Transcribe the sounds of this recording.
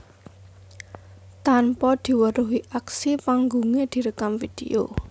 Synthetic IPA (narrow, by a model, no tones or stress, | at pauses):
t̪anpɔd̪̥i̤wəɾuɦiʔaksipaŋɡuŋed̪̥i̤ɾəkamfid̪̥ḛo̰